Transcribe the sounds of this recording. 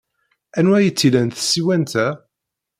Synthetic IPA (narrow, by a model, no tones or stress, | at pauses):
ænwæjət͡sːilænt̪sːiwænt̪æ